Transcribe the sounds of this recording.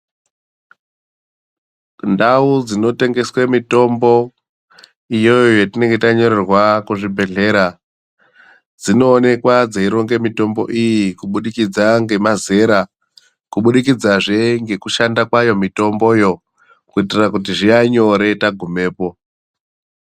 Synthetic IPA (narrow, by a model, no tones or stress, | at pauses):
ndaud͡zino̞te̞ŋɡe̞swemito̞mbo̞ | ijo̞jjojetine̞ŋɡetaɲo̞ɾerwakuʐibʱe̞ɮe̞ɾa | d͡zino̞ːne̞kwad͡zeiɾo̞ŋɡe̞mito̞mbo̞̰ʔijikuɓuɗikid͡zaŋɡe̞maze̞ɾa | kuɓuɗikid͡zaʐe̞ŋɡe̞kuʃandakwajo̞mito̞mbo̞jo̞ | kuitirakut̬iʐiaɲo̞ɾe̞taɡʱume̞ːpo̞